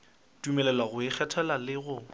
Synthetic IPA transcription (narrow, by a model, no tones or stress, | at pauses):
tumɛlɛlwaɣʊɪk͡xʰɛtʰɛlalɪɣʊ